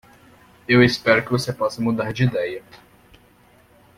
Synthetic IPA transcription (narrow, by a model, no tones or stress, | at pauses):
ewespɛɾʊkɪvosepɔsɐmud̪aɾd͡ʒid̪ɛjɐ